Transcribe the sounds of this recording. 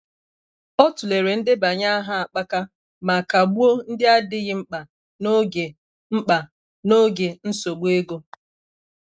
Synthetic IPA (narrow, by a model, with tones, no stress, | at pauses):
ɔ˦tʊ˨le˨ɾe˨n̩˦dɪ˦ba˨ɲa˦a˦ɦa˦a˨k͡pa˦ka˦ | ma˨ka˨ɡ͡bu˦o˦n̩˦dɪ˦a˦dɪ˦ɣɪ˦ŋ͡m̩˦k͡pa˨ | no˦ɡe˨ | ŋ͡m̩˦k͡pa˨ | no˦ɡe˨n̩˦so˨ɡ͡bu˦e˦ɡo˦